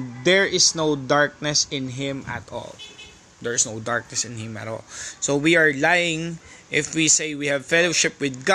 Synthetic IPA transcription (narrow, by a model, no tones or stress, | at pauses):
d̪ɛɹʔɪsnoʊd̪aɹk̚nɛsɪ̃nɦɪ̃mɐ̰t̪ɔ̰l | d̪ɛɹɪsnowd̪aɹk̚nɛsɪ̃nhɪ̃mɐ̰t̪ɔ̰lsowiaɹlajɪ̃ŋʔɪfwisejwihævfɛloʃɪpwɪd̪̚ɡa